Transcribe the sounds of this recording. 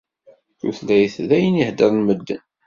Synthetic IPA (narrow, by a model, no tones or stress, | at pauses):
θṵθlæjəθðæjənihd̪əɾˤnməd̪ːə̰n